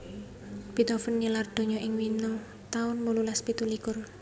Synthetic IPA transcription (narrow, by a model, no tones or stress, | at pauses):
b̥it̪ɔfənɲilard̪̥o̤ɲɔʔɪŋwinəŋ | t̪aʊnmululaspit̪ulikʊr